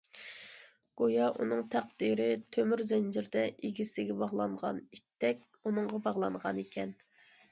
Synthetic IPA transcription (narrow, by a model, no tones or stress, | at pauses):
ɡ̥ojɑʔunɨŋt̪ʰæq̚d̪̥iɾɪt̪ʰømyɾzɛnd͡ʒɪɾd̪ɛʔiɡʲisɪɡʲɛbɑʁlˠɑɴʁɑ̰nit̪ʰːɛkʲ | unɨŋʁɑbɑʁlˠɑɴʁɑnekʲʰɛn